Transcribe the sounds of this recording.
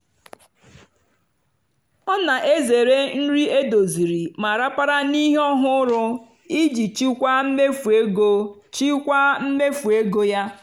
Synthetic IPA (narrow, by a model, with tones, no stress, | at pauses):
ɔ˦na˨ʔe˦ze˨ɾe˦n̩˦ɾi˦e˦do˨zi˨ɾi˨ma˨ɾa˦pa˦ɾa˦ni˦ɦe˦ɔ˦ɦʊ˦ɾʊ˦ | i˦d͡ʒi˨t͡ʃi˦kʷa˦m̩˦me˦fe˦ɡo˦ | t͡ʃi˦kʷa˦m̩˦me˦fu˨e˦ɡo˦ja˦